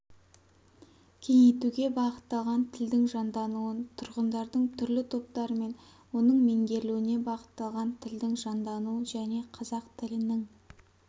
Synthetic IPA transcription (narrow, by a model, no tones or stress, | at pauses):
kʲʰe̞ŋejt̪uɡʲe̞bɑʁət̪ːɑlˠʁɑnt̪ʰɪld̪ɪŋʒɑnd̪ɑnuwənt̪ʰʊɾʁənd̪ɑɾd̪əɴt̪ʰʏɾlɪt̪ʰo̞p̚t̪ɑɾəme̞n | wo̞nəɴme̞ŋɡʲe̞ɾluwɪne̞bɑqə̥t̪ːɑlˠʁɑnt̪ʰɪld̪ɪŋʒɑnd̪ɑnuəʒæne̞qʰɑzɑqt̪ʰɪlɪnɪŋ